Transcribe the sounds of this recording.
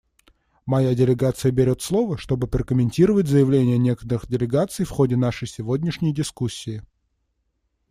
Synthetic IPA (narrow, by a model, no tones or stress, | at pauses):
mɐjadʲɪlʲɪɡat̪sɨjəbʲɪɾʲo̞t̪slˠo̞vəʂt̪o̞bɨpɾəkəmʲɪnʲtʲiɾəvətʲzəjɪvlʲenʲɪjənʲe̞kə̥t̪əɾɨxdʲɪlʲɪɡat̪sɨjfxo̞dʲɪn̪aʂɨjsʲɪvodʲnʲɪʂnʲɪjdʲɪskusʲːɪɪ